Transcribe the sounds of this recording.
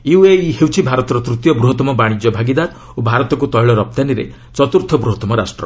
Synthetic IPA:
iweiɦewt͡ʃʰibʱaɾɔt̪ɔɾɔt̪ɾut̪jɔbɾuɦɔt̪ɔmɔbaɽ̃id͡ʒjɔbʱaɡid̪ad | obʱaɾɔt̪ɔk̬ut̪ɔjɭɔɾɔp̚t̪aniɾḛ | t͡ʃɔt̪uɾt̪ʰɔbɾuɦɔt̪ɔmɔɾasʈɾɔ̰

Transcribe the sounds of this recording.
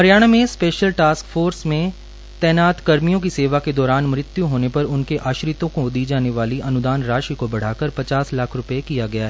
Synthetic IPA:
ɦɐɾjaːɽ̃amẽspeːʃəlʈaːskfʰoːɾsmẽ | t̪ɛːnaːt̪kɐɾmijõk̬iseːʋaked̪ɔːɾaːnmɾɪt̪juɦoːnepɐɾʊnkeʔaːʃɾɪt̪õkod̪iːd͡ʒaːneʋaːliɐnʊd̪aːnɾaːʃikobɐɽ̤aːkəɾpɐt͡ʃaːslaːkʰɾʊpekijaɡɐjaɦɛː

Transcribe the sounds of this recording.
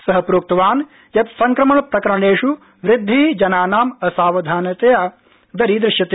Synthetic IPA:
sɐɦɐpɾoːk̚t̪ɐʋaːn | jɐt̪sɐŋkɾɐmɐɳɐpɾɐkɐɾɐɳeːʂu | ʋɾɪd̪ʱːiːd͡ʒɐnaːnaːmɐsaːʋɐd̪ʱaːnɐt̪eːaː | d̪ɐɾid̪ɾɪʃjɐt̪

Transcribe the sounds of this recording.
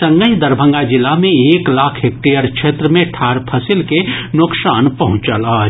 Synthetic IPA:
sə̃ŋɡəɦd̪ɐɾbʱə̃ŋɡad͡ʒɪlːamẽeːklaːkʰɦek̚ʈiəɾkʃeːt̪ɾəmẽʈʰaːɾpʰɐsɪlkenʊksaːnpɐɦʊ̃t͡ʃalaː

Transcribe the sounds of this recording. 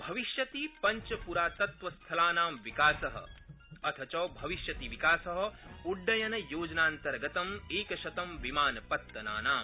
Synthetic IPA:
bʱɐʋiʃjɐt̪ipɐɲt͡ʃɐpuɾaːt̪ɐt̪ʋɐst̪ʰɐlaːnaːmʋikaːsɐɦɐ̰ | ɐt̪ʰɐt͡ʃɐːbʱɐʋiʃjɐt̪iʋikaːsɐɦɐuɖːɐjɐnɐjoːd͡ʒɐnaːnt̪ɐɾɡɐt̪ɐmeːkɐʃɐt̪ɐmʋimaːnɐpɐt̪ːɐna̰ːnaːm

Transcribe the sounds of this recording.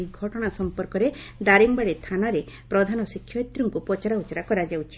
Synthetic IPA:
iɡʱɔʈɔɽ̃asɔmpɔɾkɔɾed̪aɾiŋbaɽet̪ʰanaɾe | pɾɔd̪ʱanɔsikʰːjɔjt̪ɾuŋkupɔt͡ʃaɾaut͡ʃɔɾakɔɾad͡ʒawt͡ʃʰi̥

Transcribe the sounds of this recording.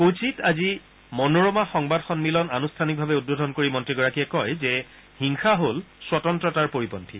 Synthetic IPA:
kot͡ʃitazi | mɔnoɹomaxɔŋbadxɔnmilɔnanustʰanik̚bʱabɛud̚bodʱɔnkoɹimɔntɹiɡɔɹakiɛkɔjzɛ | hiŋxaɦolswɔtɔntɹɔtaɹpoɹipɔntʰi

